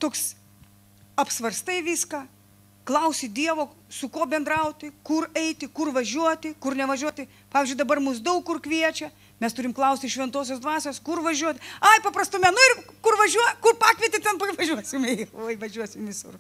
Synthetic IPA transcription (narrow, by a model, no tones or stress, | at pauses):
t̪oːks | ɐpsʋɐrst̪ɐɪʋʲiːskɑː | klˠɐʊsʲɪd̪ʲiɛʋoːsʊkoːbʲɛnd̪ɾɐʊt̪ʲɪkʊrɛɪt̪ʲɪkʊrʋɐʒʲuɔt̪ʲɪkʊrnʲɛʋɐʒʲuɔt̪ʲɪ | pɑːʋʲizd͡ʒʊɪd̪ɐbɐrmʊs̬d̪ɐʊkkʊrkʋʲiɛt͡ʃʲɛ | mʲɛst̪ʊɾʲɪmklˠɐʊsʲt̪ʲɪʃʲʋʲɛnt̪oːs̬ʲoːsd̪ʋɑːsʲoːskʊrʋɐʒʲuɔt̪ʲɪɐɪpɐprɐst̪ʊmʲɛnʊɪrkʊrʋɐʒʲuɔkʊrpɑːkʋʲiɛt̪ʲɪt̪ʲɛnpʋɐʒʲuɔsʲɪmoːjʋɐʒʲuɔsʲɪmʋʲɪsʊ̰r